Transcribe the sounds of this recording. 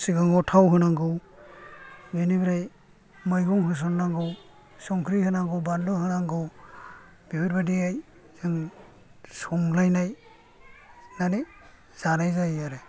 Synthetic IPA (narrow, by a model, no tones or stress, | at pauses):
siɡaŋɔtʰawɦɯnaŋɡɯw | ɡɯnibiɾaj | majɡɔŋɦɯs̬ɔnnaŋɡɯw | sɔŋkʰɾihɯnaŋɡɯwbandɔhɯnaŋɡɯw | bibɯɾbadiaj | zɯŋ | sɔŋlajnaj | nani | z̥anajzajaɾe